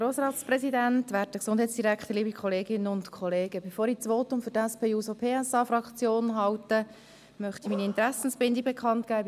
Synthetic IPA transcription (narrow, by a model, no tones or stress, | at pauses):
ɾoːsɾɑːtsprɛsidæntvʋæːɾtdəksʊndhɛɪtt͡sd̥iɾækχt̪əɾliːbikχɔleːɡɪnːəʊntkʰχɔleːɡəbefoːɾit͡sʋoːtʊmfʏɾdæspʰeːuːsopʰeːɛsɑːfɾɑkχt͡sjoːnɦɑwtə | mœχt̪imiːniɪntɾæsn̩sbɪndiɡ̚bɛkʰχɑntkæː